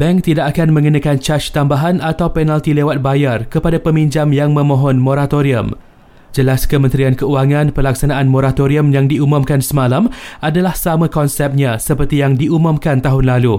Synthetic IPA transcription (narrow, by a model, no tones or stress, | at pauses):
b̥ɛŋkt̪idakakanmə̃ŋənãkant͡ʃat͡ʃt̪ambaɦanat̪awpɛnalt̪ilewat̪̚bajarkəpadapəmiɲd͡ʒamjaŋmə̃mɔ̃ɦɔnmoɾat̪oɾiə̰m | d͡ʒəlaskəmənt̪ɾiankəuaŋãnpəlaksanãʔanmoɾat̪oɾiəmjaŋdiumũmkansəmalamʔadalahsamãkɔnsɛp̚ɲãsəpərt̪ijaŋdiumʊ̃mkant̪aɦʊnlalu